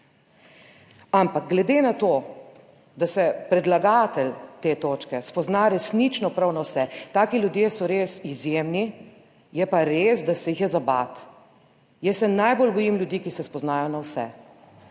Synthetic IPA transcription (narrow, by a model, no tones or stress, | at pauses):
ampaɡ̚ɡlɛd̪enat̪oː | d̪asɛpɾɛd̪laɡaːt̪ɛlt̪eːt̪oːt͡ʃkɛspɔznaɾɛsnit͡ʃnɔpɾawnawsɛt̪aːkiljud̪jeːsɔɾeːsizjeːmni | jɛpaɾeːsd̪asɛjixjɛzaba̰t̪ | jɛsːɛnajbolbɔjimljud̪ikisɛspɔznaːjɔnawsɛ̰